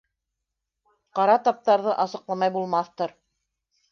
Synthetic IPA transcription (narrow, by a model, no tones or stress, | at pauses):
qɑɾɑt̪ɑp̚t̪ɑɾðɤʔɑsɤ̆qlˠɑmɑjbulˠmɑθt̪ɤɾ